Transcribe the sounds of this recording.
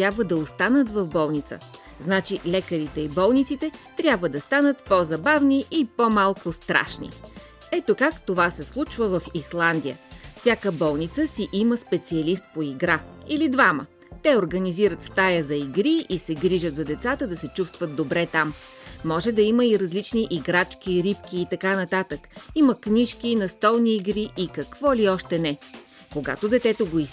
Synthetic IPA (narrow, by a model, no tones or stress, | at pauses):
t̪ɾʲjabvəd̪ɐost̪anət̪vɐvbɔlˠnit̪sə̰ | znat͡ʃilɛkəɾit̪ɛibɔlˠnʲit̪sit̪ɛt̪ɾʲjabvəd̪ɐst̪anət̪pozɐbavniʔipomalˠkʊst̪ɾa̰ʃnḭ | ɛt̪okakt̪ovasɛslˠut͡ʃvəvɐfislˠand̪ijə̰fsʲjakəbɔlˠnit̪səsiʔiməspɛt̪siɐlist̪̚poiɡɾailid̪vamə̰ | t̪ɛoɾɡəniziɾət̪st̪ajəzɐiɡɾiisɛɡɾiʒət̪zɐd̪ɛt̪sat̪əd̪ɐsɛt͡ʃust̪vət̪̚d̪obɾɛt̪amːɔʒɛd̪ɐiməiɾɐzlit͡ʃniʔiɡɾat͡ʃkʲiɾip̚kiːt̪ɐkanɐt̪at̪əkiməkniʃkʲinɐst̪ɔlˠniːɡɾiʔikɐkvɔliɔʃt̪ɛnɛ | koɡa̰t̪od̪ɛt̪ɛt̪oɡois